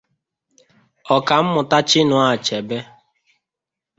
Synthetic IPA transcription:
ɔ˨ka˨m̩˦mʊ˨ta˦t͡ʃɪ˦nʊ˨a˨t͡ʃɛ˨be˦

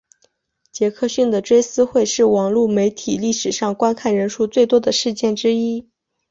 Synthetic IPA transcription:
t͡ɕjɛ˧˥kʰɤ˥˧ɕy˥˩nd̪ə˩ʈ͡ʂwe˥ɪsɹ̩˥xwe˥˧ɪʂɻ̩˥˩wɑ˨˩ŋlu˥˩me˧˥ɪt̪ʰi˨˩li˥˩ʂɻ̩˨˩ʂɑ˥˩ŋkwa˥nkʰa˥˩nɻə˧˥nʂu˥˧t͡swe˥˩ɪt̪wɔ˥d̪ə˨ʂɻ̩˥˧t͡ɕjɛ˥˩nʈ͡ʂɻ̩˥i˥

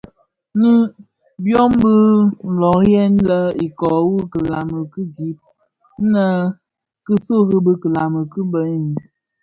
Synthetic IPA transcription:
nɨ˦ | bjɔ˦mbə˦n̩˨lɔ˨kjɛ˦n˦lə˦i˨kɔ˨wu˦kə˨la˨mə˨kɨ˦di˨˦p̚ | n̩˦nə˦ | kɨ˦so˦ɣɨ˦bə˦kə˨la˨mə˨kɨ˦bə˨˦˨n˨

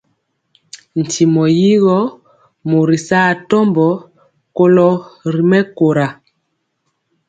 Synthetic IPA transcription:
n̩˨ti˨mɔ˨ji˦ɣɔ˦ | mo˨ɾi˨sa˦˨tɔ˦mbɔ˨ | ko˦lɔ˦ɾi˨mɛ˦ko˨ɾa˨

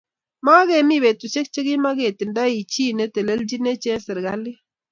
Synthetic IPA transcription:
ma˦ɣɛ˨mi˦βe˨t̪u˨ʃe˦k̚t͡ʃe˦ɣi˦ma˦ɣe˨tɪ˨nda˦i˨t͡ʃi˦nɛ˦tɛ˨le˦ld͡ʒi˦nɛ˦t͡ʃɛ˦sɛ˨ɾɣa˦lɪ˦

